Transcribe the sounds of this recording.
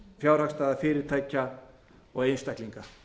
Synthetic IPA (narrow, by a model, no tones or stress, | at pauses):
fjaːwɾ̥hakst̪aːðafɪːɾɪɾ̥t̪ʰaːjcːa | ɔɣejnst̪ahkliŋka